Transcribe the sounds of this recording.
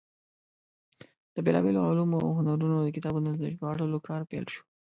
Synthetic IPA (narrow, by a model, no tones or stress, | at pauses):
d̪̥əbelɑ̰beloʕalumoa̰wɦʊnaɾunod̪əkɪt̪ɑbunod̪əʒbɑɽəlokɑɾpɛ̰lʃo̥